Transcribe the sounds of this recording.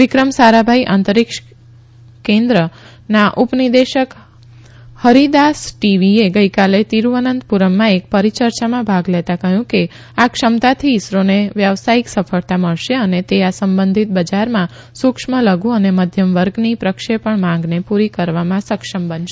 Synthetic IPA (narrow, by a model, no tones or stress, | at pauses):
ʋɪkɾəmsaɾabʱaiʔãnt̪əɾikʃ | kẽnd̪ɾə | naʔupnid̪eʃək | həɾid̪asʈiʋieɡəjkalet̪iɾuʋənənd̪puɾəmːãek̚pəɾit͡ʃəɾt͡ʃamãbʱaɡlet̪akəɦjũke | akʃəmt̪at̪ʰiːsɾoneʋjəʋsaiksəfʰəɭt̪aməɭʃeənet̪easəmbə̃nd̪ʱit̪̚bəd͡ʒaɾmã | sukʂmələɡũəneməd̪ʱjəmʋəɾɡnipɾəkʃepəɳmãŋɡnepuɾikəɾʋamãsəkʃəmbənʃ